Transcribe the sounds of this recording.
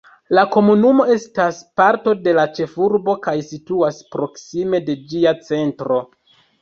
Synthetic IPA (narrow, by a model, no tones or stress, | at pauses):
lako̞munumo̞e̞staspaɾto̞de̞lat͡ʃe̞fuɾbo̞kajsituaspɾo̞ksime̞de̞d͡ʒiat͡se̞ntɾo̞